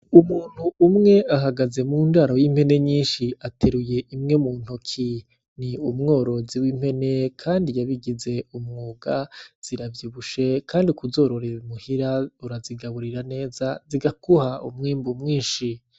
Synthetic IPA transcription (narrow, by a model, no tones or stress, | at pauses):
umuːn̥huːmŋe̞aɦaɡaze̞muːndaːɾojim̥e̞ne̞ɲiːnʃiatʰeɾuje̞ʔimŋe̞muːn̥hukʰi | niumŋo̞ːɾo̞ziwim̥he̞ne̞kʰaːndijaβiɡize̞umŋuːɡaz̥iɾavjiβuʃekʰaːndikuzo̞ːɾo̞ɾeɾumuhiɾauɾaziɡaβuɾiɾane̞ːzaziɡakuhaṵmŋiːmbumŋiːnʃi